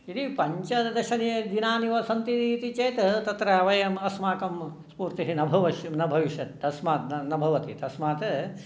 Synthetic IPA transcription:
id̪ipɐɲt͡ʃɐd̪ɐʃɐnɐjɐd̪inaːniʋɐsɐnt̪it̪iːt̪it͡ʃeːt̪ɐɦt̪ɐt̪ɾɐɐʋɐjɐmɐsmaːkɐmspuːɾt̪iɦinɐbʱɐʋɐʃnɐbʱɐʋiʃjɐt̪ːɐsmaːt̪nɐbʱɐʋɐt̪it̪ɐsmaːt̪ɐ

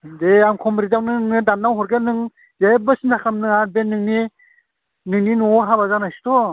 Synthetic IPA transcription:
deamkʰɔmɾizawnɯnɯŋnɯdannːawhɔɾɡenɯŋ | zajbɯsintʰakʰamnɯŋabenːɯŋni | nɯŋninuɦabazanajsu̥tʰɔ

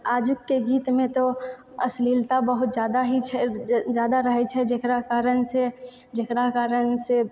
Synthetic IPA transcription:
aːd͡ʒʊkːeɡiːt̪mẽt̪o | əsliːlt̪abəɦʊt̪d͡ʒjaːd̪aɦit͡ʃʰɛd͡ʒjaːd̪aɾəɦɛt͡ʃʰɛd͡ʒekɾakaːɾənse | d͡ʒekɾakaːɾənse

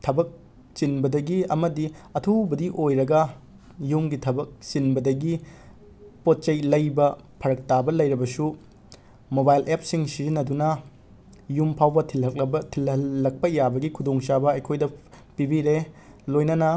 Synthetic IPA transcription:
tʰɐbɐk̚ | t͡ʃinbɐdɐɡiɐmɐdiɐtʰubɐdiʔojɾɐɡɐ | jumɡitʰɐbɐk̚t͡ʃinbɐdɐɡi | pot̚t͡ʃɐjlɐjbɐ | pʰɐɾɐk̚tabɐlɐjɾibɐsu | mobajlʔep̚siŋsizinːɐdunɐ | jumpʰawbɐbɐtʰilɐlːɐk̚pɐjabɐɡikʰudoŋsabɐːjkʰojdɐ | pibiɾe | lojnɐnɐ

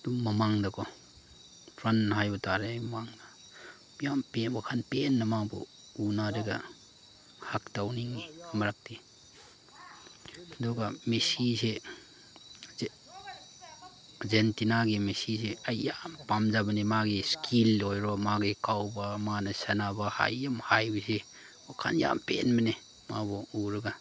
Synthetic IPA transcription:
d̥uŋmɐmaŋdɐkʰɔ | tɾɐnɦajbɐtaɾemaŋnɐ | bijampebakʰanpenːɐmabɔ̰ | unaɾɐɡɐ̰ | haktawniŋimɐɾak̚ti | dɔɡɐmesise | zentinaɡimesiseajjampamzabɐnemaɡiskʰilɔjɾɔmaɡikawbamanɐsanabaha̰jamhajbise | wakʰa̰nja̰mpḛnbɐne | mabɔuɾɐɡa

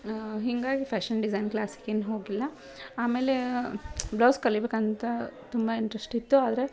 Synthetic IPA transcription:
ɦiŋɡaːɡipʰaːʃɐnɖizɐjnklaːsi̥keːnːɦo̞ːɡilːɐ | aːmeːle̞ | blaːskɐɭibeːkɐnt̪ɐt̪umbɐiɳʈɾesʈit̪ːuaːd̪ɐɾe̞

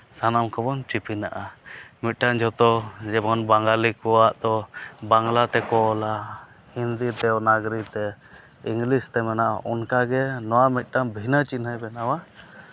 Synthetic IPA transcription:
sanamkʰɔbɔnt͡ʃipinaʔamit̪̚ˀʈaŋd͡ʒʱɔt̪ɔd͡ʒɛbɔnbaŋɡalikɔwaʔd̪ɔbaŋlat̪ɛkɔla | hind̪it̪ɛnaɡɾit̪ɛ | iŋɡlist̪ɛmɛnaʔaʔɔnkaɡɛnɔwamit̪̚ˀʈaŋbʱinət͡ʃinɦəjbɛnawa

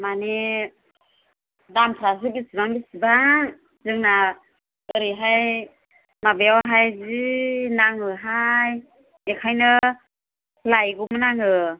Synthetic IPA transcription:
mane | damtʰɾas̬ɯbisibaŋbisibaŋ | zɯŋna | ɯɾiɦaj | mabeawɦajzinaŋɯɦaj | ekʰajnɯ | lajɡumɯnaŋɯ

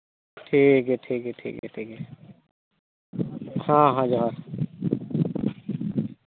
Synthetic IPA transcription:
ʈʰikeʈʰiːkeʈʰḭːkɛ̰ʈʰiːkɛ | hãːɦãd͡ʒaːɾ

